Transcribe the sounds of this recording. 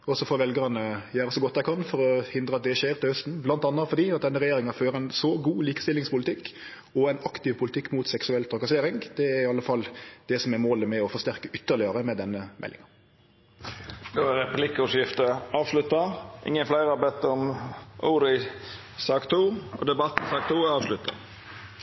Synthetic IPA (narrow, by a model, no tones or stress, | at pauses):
ɔsɔfoːɾʋɛlɡəʁnəjæːɾəsɔɡɔt̪̚ːd̪æɪkʰɑnfɔɾɔhɪnd̪ɾəɑt̪̚d̪ɛʃeːɾt̪ɪlhœst̪n̩blɑnt̪ɑnːɑfɔɾd̪iːɑt̪̚d̪ɛnːəʁɛjeːɾɪŋɑføːɾæɪnsɔɡuːliːkə̥st̪ɪlːɪŋspʊlɪt̪ʰɪkː | ɔæɪnɑkt̪ɪʋpʰʊlɪt̪ʰɪkːmut̪sɛksʉɛlt̪ʰɾɑkɑseːɾɪŋd̪̥ɛæɾɪɑlːəfɑlːd̪̥ɛsɔmɛɾmoːləmɛɔfɔst̪æʁkəʔʏt̪ːəɾlɪəɾəmɛd̪ɛnːəmʔɛ̰lːɪ̰ŋɑ | d̪̥ɔɛɾɛplɪkːʊʂjɪft̪əɑːʋslʉt̪ːɑʔɪ̰ŋːənflæɪɾəɑbɛt̪ːəɔmʔuːɾɪ | sɑːkt̪ʰuːɔ̰d̪ɛbɑt̪n̩sɑːkt̪ʰuːɑːʋʂlʉt̪ːɑ̰